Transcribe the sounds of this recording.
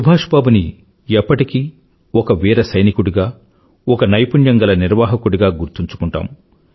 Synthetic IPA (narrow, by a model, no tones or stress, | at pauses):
subʱaːʂbaːbuni | ɛpːɐʈiki | ɔkɐʋiːɾɐsɐjnikuɽuɡaː | ɔkɐnɐjpuɳjɐŋɡɐlɐniɾʋaːɦɐkuɽuɡaːɡuɾt̪uɲt͡ʃu̥kuɳʈa̰ːm